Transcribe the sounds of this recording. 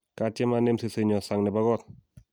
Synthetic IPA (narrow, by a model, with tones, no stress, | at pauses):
ka˧t͡ɕe˦˧˦ma˧˨ne˧˨msi˧sɯ˧˨ɲɔ˧˨sa˧ŋnɛ˧ba˧ɣɔ˧˩t̪̚